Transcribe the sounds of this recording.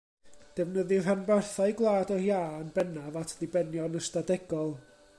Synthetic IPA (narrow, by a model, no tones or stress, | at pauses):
d̥ɛvnəðɪr̥ənbɛrθajɡlˠaːdɔjaːənbɛnavatʰlˠibɛnjɔnəstadɛɡɔlˠ